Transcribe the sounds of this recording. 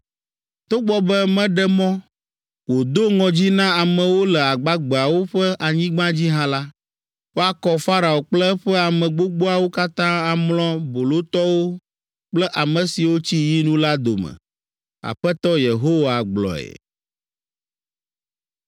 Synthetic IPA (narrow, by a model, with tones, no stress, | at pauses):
t̪o˦ɡ͡bɔ˦bɛ˦mɛ̃˦ɖɛ˦mɔ̃˦ | wo˨d̪o˦ŋɔ̃˨d͡ʑi˦nã˦a˨mɛ̃˨wo˦lɛ˨a˨ɡ͡ba˦ɡ͡be˨a˨wo˦ɸɛ˦ʔa˨ɲĩ˦ɡ͡bã˦d͡ʑi˦ɦã˦la˦ | wo˦a˨kɔ˦fa˦ɾa˨o˨k͡plɛ˦ɸɛ˦a˨mɛ̃˨ɡ͡bo˦ɡ͡bo˦a˨wo˦ka˦t̪ã˦a˨mlɔ̃˦bo˨lo˦t̪ɔ˦wo˦ | k͡plɛ˦ʔa˨mə̃˨si˨wo˦t͡ɕi˦ji˦nũ˦la˦d̪o̰˨mɛ̰̃˨ | a̰˨ɸɛ˦t̪ɔ˦je˨ɦo˦wa˨ɡ͡blɔ̰˨ɛ̰˨